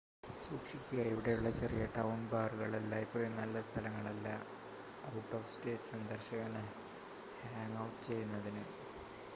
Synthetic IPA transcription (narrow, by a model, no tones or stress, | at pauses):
suːkʂikʲːuɣaiʋiɽe̞juɭːɐt͡ɕerijɐʈːɐwunbaːrɨɣɐɭelːaipːoːenɐlːɐst̪ʰɐlɐŋːɐɭɐlːa | ɐwʈːoːfste̞ːtsɐnd̪ɐrɕɐɣɐn | haːŋɡɐwʈːɨt͡ɕe̞jːunːɐðinɨ